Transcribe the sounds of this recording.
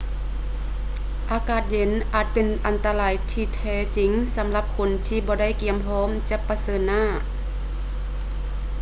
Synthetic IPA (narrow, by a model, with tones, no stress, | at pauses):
ʔaː˧kaː˨˩t̪̚je˨˦nʔaː˨˩t̪̚pe˨nʔa˨nt̪a˧laː˨˧˦jt̪ʰiː˧˩t̪ʰɛː˧˩t͡ɕi˨˦ŋsa˨˧˦mla˧˦p̚kʰo˧˦nt̪ʰiː˧˩bɔː˧˦da˥˨jki˧˩əmpʰɔː˧˥˨mt͡ɕa˧pːa˧sɤː˧nːaː˧˥˩